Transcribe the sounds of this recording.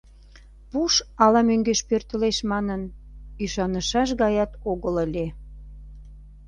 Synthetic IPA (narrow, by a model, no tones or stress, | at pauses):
puʃɑlɑmøŋɡeʃpørt̪ə̆leʃmɑnənyʃɑnəʃɑʃ̬ɣɑjɑt̪oɣələlʲe